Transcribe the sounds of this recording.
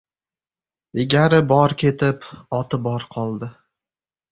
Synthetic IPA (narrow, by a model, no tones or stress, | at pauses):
ɪɡʲaɾɪbɒɾkʲʰe̞t̪ʰɪpɒt̪ʰɪbɒɾqʰɒlˠd̪ɪ